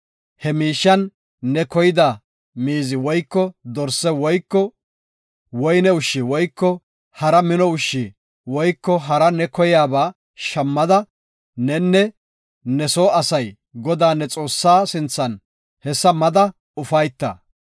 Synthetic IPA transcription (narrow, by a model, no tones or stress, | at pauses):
hɛmiːʃːɐnː | ɛkɔjɪd̪a | miːzɪwɔjkːɔd̪ɔɾsːɛwɔjkːɔ | wɔjnɛʊʃːɪwɔjkːɔ | hɐɾɐmɪnɔʊʃːi | wɔjkːɔɦɐɾɐnɛkɔjaːbaː | ʃɐmːɐd̪ɐ | nɛnːɛ | nɛsoːɐsɐj | ɡɔd̪aːnːɛt͡sʼo̞ːsːaːsɪnt͡sːɐn | hɛsːɐmɐd̪ɐ | ʊfɐjt̪ːɐ̰